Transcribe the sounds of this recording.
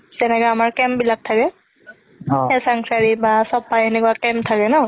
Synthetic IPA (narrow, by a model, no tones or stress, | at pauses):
zɛnɛkɔamaɹkɛmbilak̚tʰakɛ | ɛsaŋsaɹibasɔpːajɛnɛkuwakɛmtʰakɛnɔ